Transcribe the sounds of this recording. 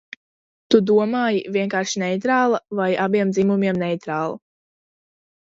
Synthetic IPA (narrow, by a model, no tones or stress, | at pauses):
t̪ud̪uɔmaːjivʲiɛŋkaːɾʃinɛjt̪ɾaːlˠavajabiɛmd̪zimumiɛmnɛjt̪ɾaːlˠa